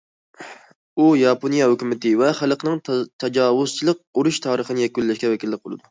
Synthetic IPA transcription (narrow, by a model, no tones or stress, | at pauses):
ujɑponijɛhøkʲymɪt̪ɪvɛχælˠqnɨŋt̪ʰɛd͡ʒɑːwʊz̥t͡ʃʰilˠəq̚uɾuʃt̪ʰɑːɾəχənɨjɛkʲːylːɛʃkʲɛwɛkʲilːɪk̚bolˠɨd̪u